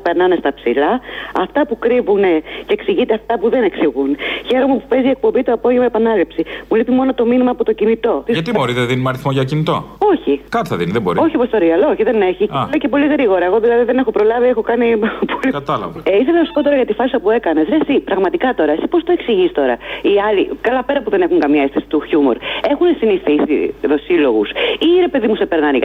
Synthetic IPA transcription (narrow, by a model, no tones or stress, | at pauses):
pe̞ɾnɐne̞st̪ɐpsilɐɐft̪ɐpukɾivuneceksiʝit̪eɐft̪ɐpuðe̞ne̞ksiɣunçe̞ɾo̞mupupe̞zie̞k̚po̞mbit̪oɐpo̞ʝemɐepɐnɐlipsimulipimo̞no̞t̪o̞minimɐːpot̪o̞cinit̪o̞t̪isɐt̪imoɾizeðinumɐɾiθmoʝɐocinit̪o̞̰o̞çikɐt̪iθɐðiniðebo̞̰ɾio̞çipost̪oɾiɐlooçiðe̞ne̞çiulece̞po̞liɣɾiɣo̞ɾɐe̞ɣo̞ðilɐðiðe̞ne̞xo̞pɾo̞lɐviexo̞kɐnipʰolikɐt̪ɐlɐ̰vɐeisɐðnɐsu̥pot̪o̞ɾɐʝɐt̪ifɐsɐpue̞kɐnesɾesipɾɐɣmɐt̪ikɐt̪o̞ɾɐesi̥po̞st̪oe̞ksiʝist̪o̞ɾɐ̰iɐlikɐlɐpe̞ɾɐpuðe̞ne̞xuŋkɐmɲɐest̪isi̥t̪uçumo̞̰ɾe̞xunesinisθisḭðo̞silo̞ɣusiɾe̞pe̞ðimusepe̞ɾnɐniʝ